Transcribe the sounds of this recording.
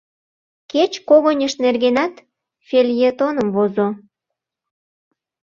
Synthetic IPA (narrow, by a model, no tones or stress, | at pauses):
ket͡ɕkoɣonʲəʃnerɣenɑt̪ | fʲelʲjet̪onəmvozo